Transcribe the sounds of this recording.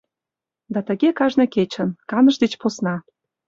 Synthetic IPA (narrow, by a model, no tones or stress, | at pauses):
d̪ɑt̪ə̆ɣekɑʒneket͡ɕə̆nkɑnə̆ʃd̪et͡ɕposnɑ